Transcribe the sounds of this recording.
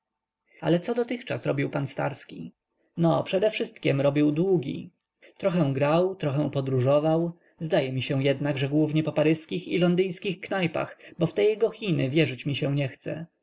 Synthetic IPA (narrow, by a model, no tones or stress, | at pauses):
a̰lɛt̪sɔd̪ɔt̪ɘxt͡ʂa̰sɾɔbʲiwpanst̪a̰ɾskʲi | nɔpʂɛd̪ɛfʂɘst̪kʲɛmɾɔbʲiwd̪wuɡʲḭ | t̪ɾɔxɛ̃ɡɾawt̪ɾɔxɛ̃w̃pɔd̪ɾuʐɔvaw | zd̪ajɛmʲiɕɛw̃jɛd̪naɡʐɛɡwuvɲɛpɔpaɾɘskʲixḭlɔnd̪ɘjskʲixknajpa̰xbɔft̪ɛjɛɡɔxʲinɘvʲjɛʐɘt͡ɕmʲiɕɛ̃ɲɛxt̪sɛ̰